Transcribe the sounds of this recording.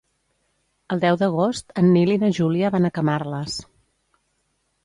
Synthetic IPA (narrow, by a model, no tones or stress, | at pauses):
əlˠd̪ɛwd̪əɣ̞ost̪ənːilinəʒuliəβanəkəmarləs